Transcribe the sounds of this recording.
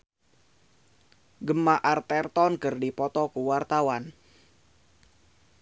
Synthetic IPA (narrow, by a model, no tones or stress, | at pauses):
ɡəmaʔart̪ɛrt̪ɔnkərdipɔt̪ɔkuwart̪awan